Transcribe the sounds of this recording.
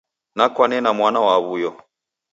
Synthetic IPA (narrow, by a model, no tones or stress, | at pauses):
nakwanɛnamwanawaβujɔ